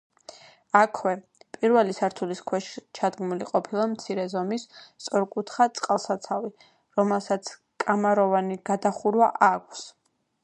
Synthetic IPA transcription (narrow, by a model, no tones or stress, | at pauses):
akʰwɛ | pʼiɾvɛlisaɾt̪ʰuliskʰwɛʃt͡ʃʰad̪ɡmuliqʼɔpʰilˠamt̪sʰiɾɛzɔmist̪sʼɔɾkʼut̪ʰχat̪sʼqʼalˠsat̪sʰavi | ɾɔmɛlˠsat̪sʰ | kʼamaɾɔvaniɡ̥ad̪aχuɾwaʔakʷʰs